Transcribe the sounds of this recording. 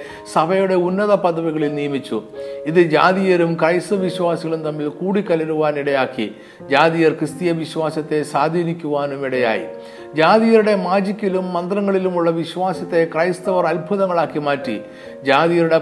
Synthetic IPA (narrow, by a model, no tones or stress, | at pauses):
sɐbʱɐjuɽe̞unːɐðɐpɐðɐʋiɣɐɭilnijɐmit͡ɕːṵiðɨd͡ʑaːðijɐɾumkrɐjst̪ɨʋiɕwaːsiɣɐɭumt̪ɐmːilkuːɽikːɐlɐɾuʋaːniɽɐjaːkːḭ | d͡ʑaːðijɐrkrɨst̪ijɐʋiɕwaːsɐt̪ːe̞saːd̪ʱiːnikʲːuʋaːnumiɽɐja̰ːjḭ | d͡ʑaːðijɐɾuɽe̞maːd͡ʑikʲːilumːɐnd̪rɐŋːɐɭilumuɭːɐʋiɕʋaːsɐt̪ːe̞krɐjst̪ɐʋɐrɐlbʱuðɐŋːɐɭaːkːimaːtːḭ | d͡ʑaːðijɐɾuɽe̞